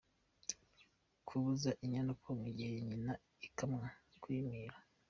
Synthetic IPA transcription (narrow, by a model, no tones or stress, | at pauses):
kʰuβuzaʔiɲanukoŋuɟiheiɲina | ikamŋakwiːmiːɾa